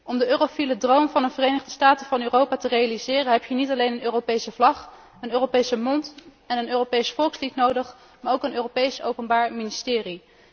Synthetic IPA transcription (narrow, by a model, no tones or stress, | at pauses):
ʔɔmdəʔøːrofilədrowmvɑnənvərejnəχdəstaːtəvɑnøːrowpaːtərejalizɪːrənɦɛpjənitɑlejnənøːrowpejsəvlɑχ | ənøːropejsəmɔnt | ɛnənøːropejsfɔlˠkslitnowdəχ | maːɹowkənøːropejso̰wpənbaːɹministɪːri